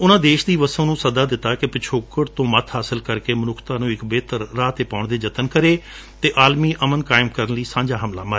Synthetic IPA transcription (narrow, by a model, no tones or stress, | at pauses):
ʊnãːd̪eːʃd̪iːʋəsõːnũːsəd̪aːd̪ɪt̪ːaːkɪpɪt͡ʃʰoːkəɽt̪õːmət̪ʰɦaːsəlkəɾkeːmənʊkʰt̪aːnũːɪkbeːt̪əɾːaːt̪eːpaːʊɳd̪eːd͡ʒət̪ənkəɾeː | t̪eːʔaːlmiːʔəmənkaːɪmkəɾənləiːsãːɲd͡ʒaːɦəmla̰ːməɾ